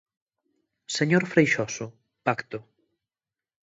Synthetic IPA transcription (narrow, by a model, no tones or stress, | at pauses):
seɲoɾfɾejʃɔsʊ | pakt̪ʊ